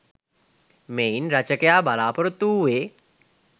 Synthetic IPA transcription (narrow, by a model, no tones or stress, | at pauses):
meinɾat͡ʃəkjaːbalaːpəɾt̪uːʋe